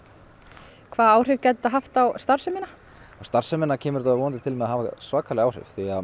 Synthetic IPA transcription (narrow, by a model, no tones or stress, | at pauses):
kʰvaːðaːwr̥ɪvcɛt̪aðɦaft̪awst̪ar̥sœmɪna | awst̪aɾ̥sɛmɪnːacʰɛːmʏɾt̪aavoːnnt̪ɪt̪ʰɪlmɛðaɦaːvasvaːkʰalɪaːwr̥ɪ̰vθia